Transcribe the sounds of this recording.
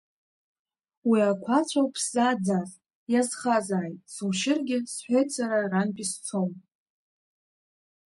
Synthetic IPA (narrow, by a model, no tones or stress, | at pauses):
wiakʷʰat͡ɕʷʰawpʰsaːd͡zaz | jazχazaːjtʼsuwʃɪrɡʲɪsħʷᶣejt͡sʰʷʼaɾaranpʼist͡sʰom